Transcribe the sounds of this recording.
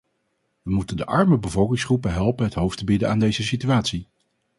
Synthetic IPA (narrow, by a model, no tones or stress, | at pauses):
ʋəmutəndəʔɑɹməbəvɔlˠkɪŋsχrupəɦɛlˠpənɦətɦowftəbidənaːndejzəsityaːtsi